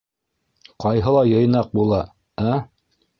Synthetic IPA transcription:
qɑjɦɤ̆lˠɑjɤ̆jnɑq̚bulˠɑ | æ

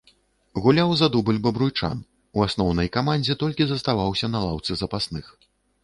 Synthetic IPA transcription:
ɣulʲawzad̪ubɨlʲbɐbɾujt͡ʂa̰n | uasnɔwnɐjkamanʲd͡zʲɛt̪ɔlʲkʲizɐst̪avawsʲɐnɐlˠawt̪sɨzɐpasnɨx

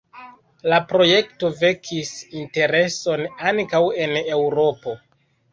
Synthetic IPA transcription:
lapɾo̞je̞kto̞ve̞kʰisinte̞ɾe̞so̞naŋkawe̞ne̞wɾo̞po̞

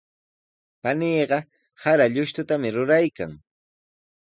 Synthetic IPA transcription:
paniːɢɑ | haɾaʎʊʃt̪ʊt̪amɪɾʊɾajka̰ŋ

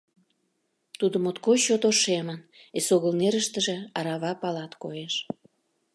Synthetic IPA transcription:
t̪ud̪əmot̪koɕot̪oʃemənesoɣəlneɾəʃt̪ə̆ʒĕɑɾɑβɑpɑlɑt̪kojeʃ

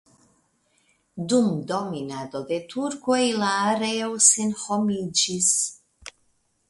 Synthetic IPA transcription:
d̪umd̪ominad̪od̪et̪ʰuɾkuejlaːɾewsenhomid͡ʒis

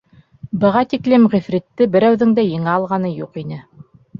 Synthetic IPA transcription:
bɤ̆ʁɑt̪iklɘmʁifɾɘ̆t̪ːɘbɘ̆ɾæwðɘŋd̪æjɤ̆ŋɑɑlˠʁɑnɤjuqinɘ

